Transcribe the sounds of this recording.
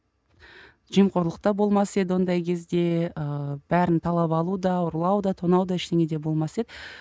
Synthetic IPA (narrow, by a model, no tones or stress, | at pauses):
ʒijmqʰo̞ɾlˠəq̚t̪ɑbo̞lˠmɑse̞d̪ɪwo̞nd̪ɑjkʲʰe̞zd̪e̞əb̥æɾɪnt̪ʰɑlˠɑpɑlˠud̪ɑʊɾlˠɑwd̪ɑt̪ʰonɑwd̪ɑɪʃt̪e̞ŋʲe̞d̪e̞bo̞lˠmɑse̞d̪ɪ